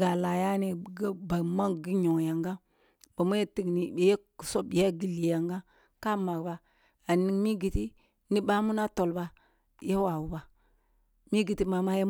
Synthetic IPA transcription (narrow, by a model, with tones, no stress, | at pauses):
ɡa˨la˨ja˦ni˨ɡba˨ma˦ŋɡi˦ɲo˨ŋja˨ŋɡa˦ | ba˨mu˦je˦ti˦ɡni˨be˨je˦kso˦bja˦ɡi˦li˨ja˨ŋɡa˦ | ka˦ma˨kba˨ | a˨ni˨ŋmi˦ɡi˨ti˦ | ni˦ba˦mu˦na˦to˨lba˨ | je˦wa˨wu˨ba˨ | mi˦ɡi˨ti˦ma˨ma˦je˦